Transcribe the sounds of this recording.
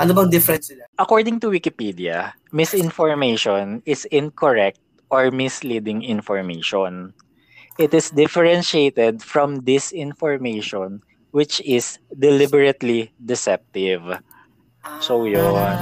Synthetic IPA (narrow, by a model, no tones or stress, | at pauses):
ʔɐnobɐŋd̪ɪfɛɾɛnsʔɐkoɹd̪ɪ̃ŋt̪ʊwɪkɪpid̪iɐ̰ | mɪsɪnfɔɹmejʃɔnɪsɪ̃nkʰɔɹɛk̚t̪̚ | ʔɔɹmɪslid̪ɪŋɪ̃nfɔɹmejʃɔn | ʔɪt̪ɪsd̪ɪfɛɹɛ̃nʃejt̪ɛd̪̚fɹɔ̃md̪ɪsɪ̃nfɔɹmejʃɔn | wɪt͡ʃɪsd̪ɛlɪbɛɹɐt̪lid̪ɪsɛp̚t̪ɪv | sojon